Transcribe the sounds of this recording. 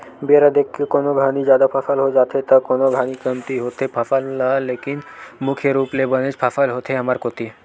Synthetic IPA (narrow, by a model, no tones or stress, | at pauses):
biaɾad̪ekʰːekonoɡʱanid͡ʒaːd̪apʰafʰalɦod͡ʒat̪ʰet̪akonoɡʱanikənt̪iɦot̪ʰepʰafalːalekinmukʰjeɾuplebənet͡ʃpʰafalɦot̪ʰeəmaɾkot̪i